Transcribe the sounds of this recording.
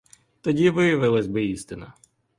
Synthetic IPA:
t̪ɔdʲiʋɪjɐʋɪlˠɐzʲbɪist̪ɪnɐ

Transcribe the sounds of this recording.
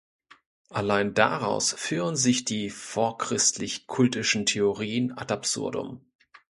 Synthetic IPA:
ʔalaɪnda̰ʁaʊsfyːʁənzɪçd̥iːfoːɐkʁ̥ɪstʰlɪçkʰʊltɪʃn̩tʰeoʁiːəna̰dapz̥ʊ̰ɐ̰dʊ̰m

